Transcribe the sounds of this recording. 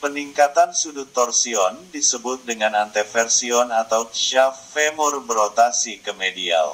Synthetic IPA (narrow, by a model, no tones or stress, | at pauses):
pəniŋkat̪ansudut̪ːɔrsiɔndisəbʊt̪̚dəŋanant̪efɛrsiɔnat̪awʃafemʊrbəɾot̪asikəmedia̰l